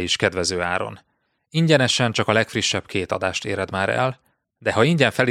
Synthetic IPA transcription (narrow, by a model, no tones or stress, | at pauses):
iʃkɛd̪vɛzøːaːɾo̞̰n | iɲɟɛnɛʃɛnt͡ʃɒkɒlɛkfriʃːɛbkʰeːt̪ɒ̰d̪aːʃt̪eːɾɛd̪maːɾɛ̰l | d̪ɛɦɒiɲɟɛɱfɛli